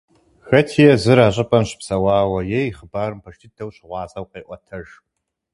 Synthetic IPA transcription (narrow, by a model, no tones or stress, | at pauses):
xɐtʰijɛzɨɾaːɕ̬ʼɪpʼɐmɕɪ̥psɐwɑːwɐjɛjχəbaːrɨmpʰɐʃtʰidʰɐwɕɪʁʷɑːzɐwqeːʔʷɔtʰɐʒ